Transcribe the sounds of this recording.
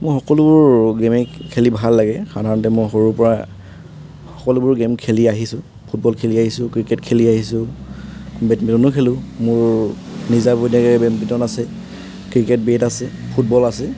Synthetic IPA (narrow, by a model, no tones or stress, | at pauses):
mɔjxɔkɔlʊbʊɹɡemɛkʰelibʱalːaɡɛxadʱaɹɔntɛmɔjxoɹupɔɹa | xɔkɔlubʊɹɡemkʰeliaɦisʊ̃ | pʰut̚bɔlkʰeliaɦisʊ̃kɹiketkʰeliaɦisʊ | bɛtbitɔnʊkʰelʊ̃mʊɹ | nizabʊdinɛkɛbɛmbitɔnasɛ | kɹiket̚betasɛpʰut̚bɔlasɛ